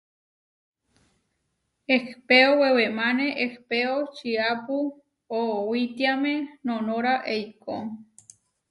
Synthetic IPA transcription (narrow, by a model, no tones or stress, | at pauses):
ehpeowewemãnẽʔehpeot͡ʃiapu | owit̪iamẽnõnõɾaʔejko